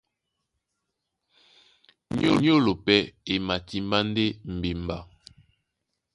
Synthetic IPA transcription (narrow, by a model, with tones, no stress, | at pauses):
ɲ˦o̰˦˨ɲ˦o˦lo˨pɛ˦e˨ma˨ti˦mba˦n˦de˦m̩˨be˨mba˦˨